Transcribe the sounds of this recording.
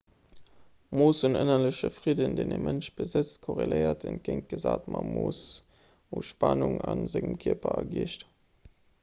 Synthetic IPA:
moːsunənɐləɕəfʁidəndeːnemʔənʃb̥əzət͡stkʰoʁeləɪɐtʰənt̚ɡ̥əŋt̚ɡ̥əzaːtmɑmoːs | uʃpɑnuŋɑnzɪŋəmkʰiɐpɐɐɡiːəʃt

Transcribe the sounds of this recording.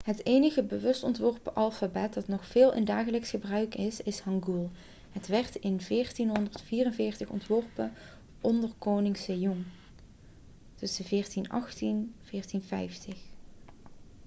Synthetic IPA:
ɦətejnəɣəbəʋɵstɔntʋɔɹpəʔɑlˠfabɛt̚dɑtnɔxfɪːlˠʔɪ̰ndaːχələksχəbrœɥkɪsɪshɑŋɡulˠ | ɦətʋɛɹtɪnvɪːɹtinɦɔndərtfiːrənvɪːɹtəχɔ̰ntʋɔɹpə | ʔɔndərkownɪŋsejɔŋ | tɵsəvɪːɹtinɑ̰χtinv̥ɪːɹtinvɛ̰jftəx

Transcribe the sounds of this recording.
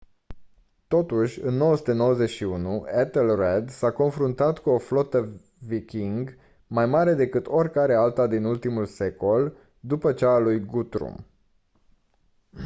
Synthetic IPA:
t̪o̞t̪uʃʲɨnːo̞wəsu̥t̪eno̞wəze̞ʃiunuet̪elred̪sako̞nfɾunt̪at̪kuo̞flo̞t̪ə | vikʲiŋɡ | majmaɾe̞d̪e̞kɨt̪o̞rʲkaɾe̞alt̪ad̪inult̪imulse̞ko̞l | d̪upət͡ʃaːlujɡut̪ɾṵm

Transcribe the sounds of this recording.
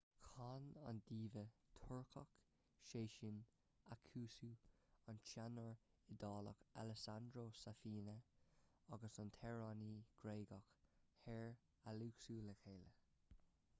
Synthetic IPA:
kʰɑːna̰nd̪iːvət̪ʰʊɹkʰək | ʃeːʃɪn | akʰuːsuːant͡ʃanəɹ | ɪd̪ɑːlə̰ka̰lɛsand̪ɾoːsafiːnə | aɡəsɑnt̪ʰɛɹaniːɡ̥ɾeːɡəkhɛɹ | aluːksuːləkʰeːlə

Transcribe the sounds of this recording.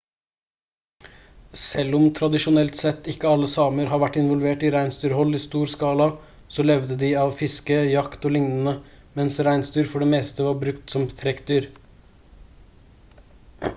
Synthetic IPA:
sɛlːɔmt̪ʰɾɑd̪ɪʃʊnɛlt̪sɛt̪ːɪkːəɑlːəsɑːməɾhɑːɾʋæʈːɪnʋɔlʋeːʈiːɾæɪnst̪yːɾhɔlːiːst̪uːɾskɑːlɑ | sɔlɛʋd̪əd̪ɪɑːʋfɪskəjɑkt̪oːlɪŋnən̩ə | mɛnsɾæɪnst̪yːɾfɔɖɛːmeːst̪əʋɑːɾbɾʉkt̪sɔmt̪ʰɾɛkd̪yːɾ

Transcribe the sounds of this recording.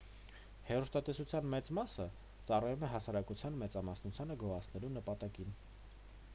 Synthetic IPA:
hɛrust̪ɑt̪ɛsut͡sʰjɑnmɛt͡smɑsə | t͡sɑrɑjumɛɦɑsɑɾɑkut͡sʰjɑnmɛt͡sɑmɑsnut͡sʰjɑnəɡɔɑt͡sʰnɛlunəpɑt̪ɑkin

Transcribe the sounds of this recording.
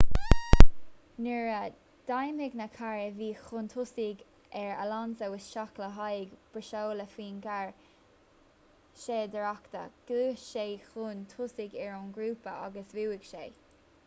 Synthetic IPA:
nɛɹə | d̪̥ajmhɪɡnəkʰaɹəviːxʊnt̪ʰʊsiɡ | ɛɹə̰lansəwɪsʃakləɦajɡb̥əʃoːləfiːnɡaɹ | ʃeːd̪əɹakt̪ə̰ɡ̥luːʃeːxunt̪ʰʊsiɡɛɹʊnɡɾuːpəa̰ɡəsviwɪɡ̥ʃeː

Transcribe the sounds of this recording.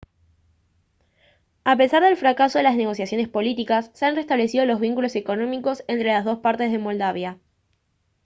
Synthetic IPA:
ape̞saɾðe̞lfɾakaso̞ðelazne̞ɣ̞o̞sjasjo̞ne̞spo̞lit̪ikasːeanre̞st̪aβle̞sið̞o̞lo̞zβ̞iŋkulo̞se̞ko̞nõ̞miko̞se̞nt̪ɾe̞lazðo̞spaɾt̪e̞zðe̞mo̞ld̪aβja

